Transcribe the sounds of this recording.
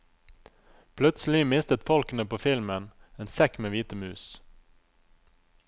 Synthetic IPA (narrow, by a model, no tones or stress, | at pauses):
pʰlʉt̪sl̩ɪmɪst̪ət̪fɔlkənəpoːfɪlməneːnsɛkmeːʋiːt̪əmʉːs